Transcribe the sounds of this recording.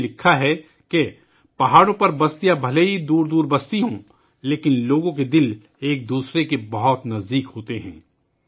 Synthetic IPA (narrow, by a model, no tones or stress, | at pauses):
lɪkʰːaɦɛ | ke | pɐɦaːɽõpɐɾbɐst̪ijabʱɐleid̪uːɾd̪uːɾbɐst̪iɦõ | leːkɪnloːɡõk̬ed̪ɪl | eːk̚d̪uːsɾekebɐɦɔt̪nɐzd̪iːkɦoːt̪eɦɛ̰̃ː